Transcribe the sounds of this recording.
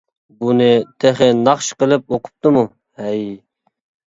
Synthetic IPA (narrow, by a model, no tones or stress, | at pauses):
bunɨt̪ʰeχɪnɑχʃqəlˠɪp̚oqʰʊ̥p̚t̪ɨmu | hɛj